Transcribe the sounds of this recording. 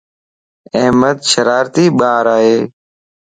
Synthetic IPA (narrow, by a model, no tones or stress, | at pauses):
əːməd̪ʃəɾaːɾt̪iːɓaːɾaːɦeː